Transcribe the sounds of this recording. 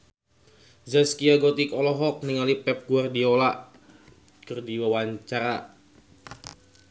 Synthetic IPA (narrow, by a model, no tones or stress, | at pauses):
zaskiaɡɔt̪ikɔlɔɦɔk̚niŋalipɛp̚ɡuardiola | kərdiwawaɲt͡ʃaɾa